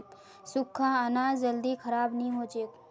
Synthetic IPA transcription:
sʊkʰːãɐnaːd͡ʒəld̪ikʰɐɾaːbnəɦĩɦoːd͡ʒeːk

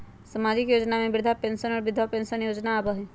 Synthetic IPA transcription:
səmad͡ʒikjoːd͡ʒnamẽbɾɪd̪ʱapẽnsənɔːɾbɪd̪ʱapensənjoːd͡ʒnaːbəɦi

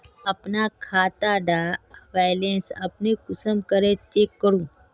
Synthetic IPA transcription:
apnakʰat̪aɖaʋajlensa̰pnekʊsəmkəɾet͡ʃekːəɾũ

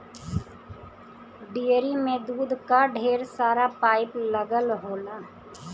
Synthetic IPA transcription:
ɖijəɾiːmẽd̪uːd̪kaɖʱeːɾsaːɾapaːɪpləɡəlɦoːlaː

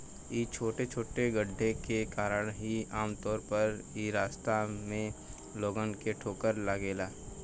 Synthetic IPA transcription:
iːt͡ʃʰoːʈet͡ʃʰoːʈeɡəɖʱːekekaːɾəɽ̃ɦiaːmt̪ɔːɾpəɾ | iːɾaːst̪amẽ | loːɡənkeʈʰoːkəɾlaːɡeːlaː

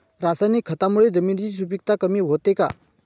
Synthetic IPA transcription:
ɾasanikʰət̪amuɭed͡zəmind͡ʑisubik̚t̪ʰakəmiɦot̪eka̰

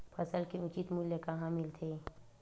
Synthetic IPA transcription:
pʰɐsəlkeʊt͡ʃit̪muljekaɦãmɪlt̪ʰeː

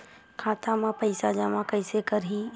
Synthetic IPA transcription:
kʰaːt̪amãpɐɪsad͡ʒamãkəɪsekəɾɦi

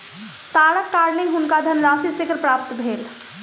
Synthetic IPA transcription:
t̪aːləkːaːɾniɦʊnkad̪ʱənɾãːsisɪkɾpɾaːp̚t̪bʱeːl

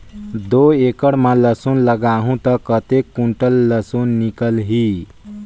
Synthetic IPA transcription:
d̪oekəɽmaləsonləɡaɦũt̪əkət̪ekːuɳʈəlːəsonːikəlɦi

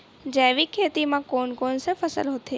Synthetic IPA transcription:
d͡ʒeʋikʰːeːt̪imãkoːnkonsefʰəsə̰lɦot̪ʰe

